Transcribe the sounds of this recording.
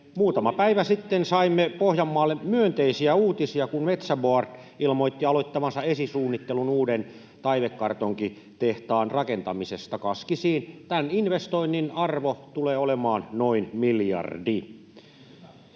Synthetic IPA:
muːt̪ɑmɑpæiʋæsit̪ːensɑimːepohjɑmːɑːlːemyønt̪eisiæuːt̪isiɑkunmet̪sæboɑrt̪ | ilmoit̪ːiɑloit̪ːɑmɑnsɑesisuːnːit̪ːelunuːden | t̪ɑiʋekːɑrt̪oŋki | t̪eht̪ɑːnrɑkent̪ɑmisest̪ɑkɑskisiːnt̪æninʋest̪oinːinɑrʋot̪uleːolemɑːnnoinmiljɑ̰rdi

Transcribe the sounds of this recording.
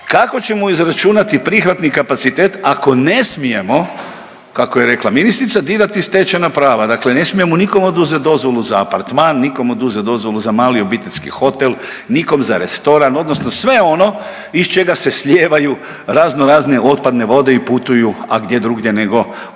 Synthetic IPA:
kako̞t͡ɕe̞moizɾat͡ʃunat̪ipɾixʋat̪nikapat̪sit̪eːt̪ako̞ne̞smije̞mo̞ | kakojeɾe̞klˠaminist̪ɾit̪sad̪iːɾat̪ist̪e̞t͡ʃenapɾaːʋad̪akle̞ne̞smije̞moniko̞mod̪uzet̪d̪o̞zʋo̞luzaːpaɾt̪maːnːiko̞mod̪uzet̪̚d̪o̞zʋo̞lˠuzamaːlio̞bit̪eʎʲskḭxo̞t̪e̞l | niko̞mzaɾe̞st̪o̞ɾano̞d̪nosnosʋe̞o̞no̞ | ist͡ʃe̞ɡase̞sʎʲe̞ːʋaju | ɾazno̞ɾaːzne̞ʔo̞t̪̚pad̪ne̞ʋo̞d̪e̞iput̪ujuaɡd̪jed̪ɾuɡje̞neɡo̞

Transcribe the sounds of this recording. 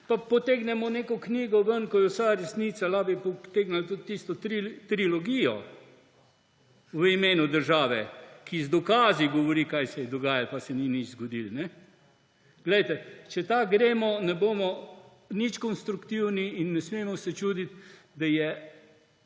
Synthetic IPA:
papɔt̪eːɡnɛmɔneːkɔkniːɡɔʋənkɔjɛsaɾɛsniːsalaːbipɔt̪eɡnalt̪ut̪ːist̪ɔt̪ɾit̪ɾilɔɡijɔ | ʋəimeːnud̪əɾʒaːʋɛkʰizd̪ɔkaːziɡɔʋɔɾiːkajsɛjɛd̪ɔɡaːjalpasɛninit͡ʃzɡɔd̪ilnɛ | ɡ̥lɛjt̪ɛt͡ʃɛt̪aɡɾeːmɔnɛboːmɔ | nit͡ʃkɔnst̪ɾukt̪iwniːnːɛsmeːmɔsɛt͡ʃuːd̪it̪ | d̪ajɛ

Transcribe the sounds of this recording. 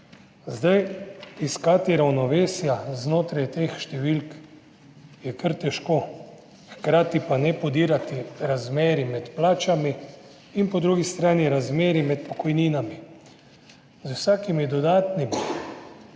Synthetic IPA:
zd̪ajiskat̪iɾawnɔʋeːsjaznoːt̪ɾajt̪eːxʃt̪ɛʋilk | jɛkəɾt̪ɛʃkoː | xkɾaːt̪ipanɛpɔd̪iːɾat̪iɾazmeːɾimɛt̪plaːt͡ʃamiː | npɔd̪ɾuɡist̪ɾaːniɾazmeːɾimɛt̪pɔkɔjniːnami | zusaːkimid̪ɔd̪aːt̪nimi

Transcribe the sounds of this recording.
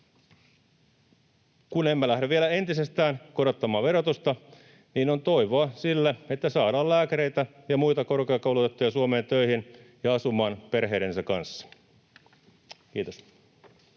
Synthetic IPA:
kune̞mːælæhdæʋielæe̞nt̪ise̞st̪æːnkoɾo̞t̪ːɑmɑːʋʋe̞ɾot̪ust̪ɑ | niːnont̪o̞iʋoɑsilːæe̞t̪ːæsɑːdɑːlæːkæɾe̞jt̪æ | jɑmujt̪ɑko̞rkeɑkɑulut̪et̪ːujɑsuome̞ːnt̪ø̞ihinjɑɑsumɑːnpe̞rɦe̞ːɾensɑkɑ̰nsːɑ̥ | kiːt̪os

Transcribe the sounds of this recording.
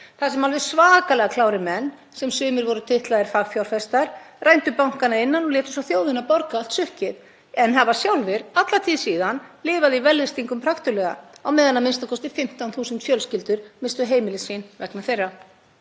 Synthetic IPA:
θasɛmalvɛð̥svaːkalɛɣakʰlaːwɾɪmɛnː | sɛmsʏːmɪɾvɔɾʏt̪ʰɪht̪laðɪɾ̥faɣfjawɾ̥fɛst̪aɾ̥ | rajnt̪ʏpawŋ̥kanaɪnːanɔlɛːt̪ʏ̥sawθjoːwðɪnapɔɾkaal̥t̪sʏhcɪð | ɛnɦavasjawlvɪɾat̪lat̪ʰiːðsiːðanlɪːvaðɪivɛlːɛst̪iŋkʏmpʰɾaxt̪ʏlɛːɣa̰awmɛːðanːamɪnst̪akʰɔst̪ɪfɪm̥t̪awnθuːsɪnt̪fjœlscɪlt̪ʏɾ̥mɪnst̪ʏɦeːjmɪlɪsinvɛknaθejrːa

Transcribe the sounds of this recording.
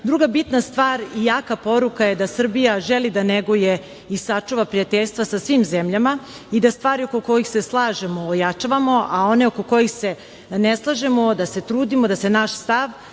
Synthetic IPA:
d̪ɾuɡabit̪nast̪ʋaːɾijaːkapo̞ɾukajed̪asr̩bijaʒelid̪aneɡuje | isat͡ʂuʋapɾijat̪eʎʲst̪ʋasasʋiːmzemʎama | id̪ast̪ʋaːɾiokoko̞jixse̞slˠaːʒe̞mo̞ːjat͡ʃaʋamo̞ʔao̞ne̞okoko̞jixse̞ | neslˠaʒemod̪ase̞t̪ɾuːd̪imod̪ase̞naʃst̪aʋ

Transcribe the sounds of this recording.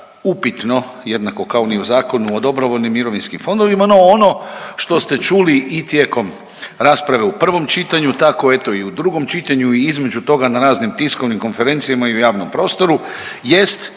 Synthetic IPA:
upit̪no̞je̞d̪nako̞kaoniuzaːko̞nuod̪o̞bɾoʋo̞lnimːiɾo̞ʋinskimfo̞nd̪oʋimano̞ono̞ʃt̪o̞st̪e̞t͡ʃuliʔit̪je̞ko̞m | ɾaːspɾaʋe̞upr̩ʋo̞mt͡ʃit̪aɲut̪ako̞e̞t̪o̞iud̪ɾuɡo̞mt͡ʃit̪aɲuiizme̞d͡ʒut̪o̞ɡanaɾaːznimt̪isko̞ʋnimko̞nfe̞ɾe̞nt̪sijamaiujaːʋno̞mpɾo̞ːst̪o̞ɾu | je̞st̪

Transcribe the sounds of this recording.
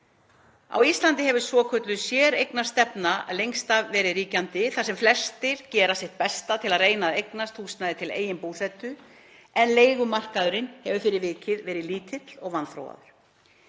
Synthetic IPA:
a̰wist̪lant̪ɪhɛvʏ̥svɔːkʰœt̪lʏsjɛːɾejknḁst̪ɛpnalejŋst̪avvɛːɾɪðriːcant̪ɪθasɛmflɛst̪ɪɾ̥cɛːɾasjɛht̪̚pɛst̪at̪ʰɪlaðreːjnaðejknast̪huːsnaðɪt̪ʰɪlḛːjɪnpuːsɛt̪ʏ | ɛnleːjɣʏmar̥kaðʏɾɪnhɛvʏfɪɾɪɾvɪːcɪðvɛːɾɪðliːt̪ʰɪt̪l̥ɔɣvanθɾo̰wa̰ðʏɾ̥

